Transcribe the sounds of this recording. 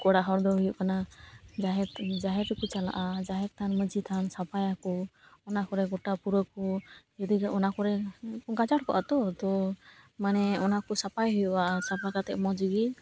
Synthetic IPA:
kɔɽaɦɔɾd̪ɔɦujuʔ̚kanad͡ʒaɛt̪d͡ʒaɦɛt̪ikut͡ʃala̰ʔad͡ʒaɦɛt̪̚t̪ʰanməd͡ʒit̪ʰansapajakɔ | ɔnakɔɾɛɡɔʈapuɾəkɔd͡ʒɔd̪iʔɔnakɔɾɛɡad͡ʒaʈkɔ̰ʔa̰t̪ɔt̪ɔmanɛɔnakusapajɦujɔasapakat̪ɛʔmɔd͡ʒuɡi

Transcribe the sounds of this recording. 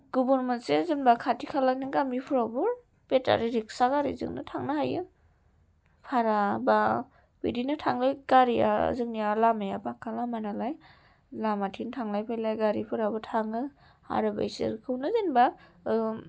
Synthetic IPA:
ɡubuɾmansezɯnbakʰatikʰalanɯŋɡamipʰuɾabɯɾ | peta̰ɾiɾiksaɡaɾḭzɯ̰ŋnɯ̰tʰaŋnahajɯ | pʰaɾaba | b̥ḭdinɯtʰaŋlajɡaɾia̰zɯŋnialamajapakʰalamanalaj | lamatʰintʰaŋlajpʰajlajɡaɾipʰɯɾabɯtʰaŋɯ | ha̰ɾɯba̰jsɯ̰ɾkʰɯwnɯzenba

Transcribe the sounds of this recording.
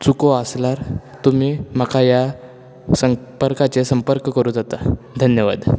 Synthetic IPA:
t͡sukoaslaɾt̪um̤iːmakʰaja | səmpəɾkat͡sesəmpəɾkkəɾuːd͡zat̪a | d̪ʱənjəʋa̰d̪

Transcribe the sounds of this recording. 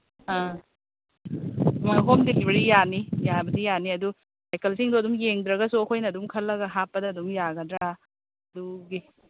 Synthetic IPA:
a | mɦomdekibɐɾijanijabɐdijaniɐdu | sajkɐlsiŋdoɐdumjeŋdɾɐɡɐsokʰojnɐːdumkʰɐlːɐɡɐɦapːɐdɐːdumjaɡɐdɾa | ɐduɡi

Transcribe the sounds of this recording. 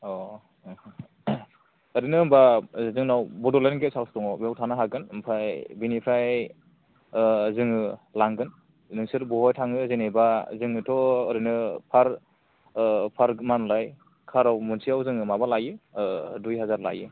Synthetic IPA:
ɔ | ɯɾinɯmbazɯŋnawbɔdɔlenɡesʰalstɔŋɔbewtʰanɯɦaɡɯnɯmpʰajbinipʰɾaj | zɯŋɯlaŋɡɯn | zɯŋsɯɾbɔɦɔjtʰaŋɯzenebazɯŋɯtʰɔɯɾinɯpʰaɾ | pʰaɾmanlaj | kʰaɾawmunsiawzɯŋɯmabalajɯdujɦazaɾla̰jɯ

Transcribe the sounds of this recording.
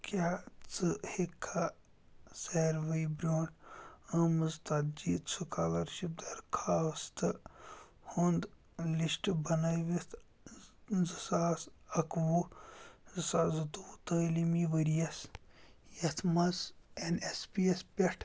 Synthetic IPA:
kjaːt͡sɨhekʰːa | seɾʋɐjbɾʲoːnɐmɨzt̪ad͡ʒiːt̪sʰukaːlɐɾʃip̚d̪ɐɾkʰaːst̪ɨ | hund̪ | lisʈbɐnɐjʋit̪ʰ | zɨsaːsɐkʋu | zɨsaːzɨt̪uːt̪əːlimiʋɐɾijɐs | jɐt̪ʰmɐzenespiespʲɐʈʰ

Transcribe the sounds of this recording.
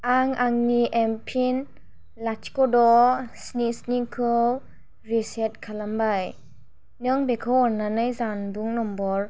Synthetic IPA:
aŋaŋniʔɛmpʰin | lat͡ʃʰkɔdɔsnisnikʰɯw | ɾisɛt̚kʰalambaj | nɯŋbekʰɯwɔnanɯjzanbuŋnɔmbɔɾ

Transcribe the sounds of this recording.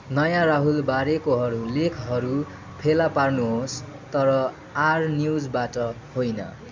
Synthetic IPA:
nʌjãɾaɦulbaɾekoɦʌɾulekʰɦʌɾu | pʰelaparnuɦos | t̪ʌɾʌ | arnjud͡zbaʈʌ | hojnʌ̰

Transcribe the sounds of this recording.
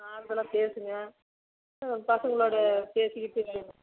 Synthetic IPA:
aːɾðɐlãːpeːsɯŋɡɐ | ɐpɐsɐŋɡɐɭoːɽɐpeːsɯkːɪʈːɯ

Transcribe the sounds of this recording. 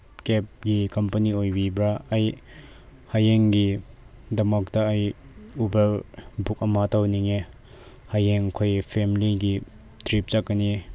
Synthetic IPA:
kɛp̚ɡikɐmpɐniojbibɾaːj | hajeŋɡi | dɐmak̚tɐɐjubɐlbʱuk̚ɐmatʰawniŋe | hajeŋkʰojpʰemiliɡi | tɾip̚t͡ʃakːɐni

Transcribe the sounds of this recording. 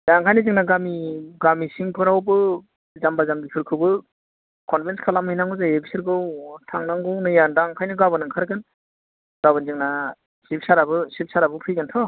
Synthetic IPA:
daŋkʰajnɯzɯŋnaɡamiɡamisiŋpʰɯɾawbɯ | zambazambipʰɯɾkʰɯbɯ | kʰɔnpʰenskʰalamjnaŋɡɯzaebisiɾɡɯwtʰaŋnaŋɡɯwnɯjandaŋkʰajnɯɡabɯnɯŋkʰaɾɡɯn | ɡ̥aβɯnzɯŋna | sip̚saɾabɯsip̚saɾabɯpʰɯjɡɯntʰɔ

